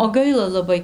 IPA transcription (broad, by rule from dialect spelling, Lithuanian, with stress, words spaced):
oː ˈɡɐɪlˠɐ lˠɐˈbɐɪ